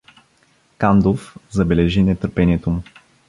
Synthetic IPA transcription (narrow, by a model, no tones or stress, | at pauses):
kand̪ofzɐbɛlɛʒinɛt̪əɾpɛniɛt̪omu